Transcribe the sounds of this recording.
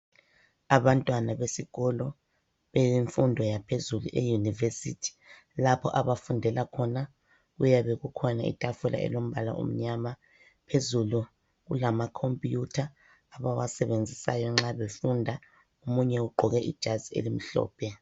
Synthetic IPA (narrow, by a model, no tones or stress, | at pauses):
aβantʼwanaβesiɣɔlɔ | βeiɱfundʱɔjapʰezulṵʔejunivesḭtʰi̥ | lapʰɔ̰ʔaβafundʱɛlakʰɔna | ɣujaβeɣukʰɔnaḭtʼafula̰ʔɛ̰lom̩βala̰ṵm̩ɲama | pʰezulu | ɣulamakʰompʼjutʰaː | βawasɛβend͡zʱisa̰jɔŋ͡ǁaβefundʱa | omuɲɛuɡ͡ǃʱɔɣɛʔḭd̥ʒ̥ʱaziḛlim̩ɬɔ̰ːpʰɛ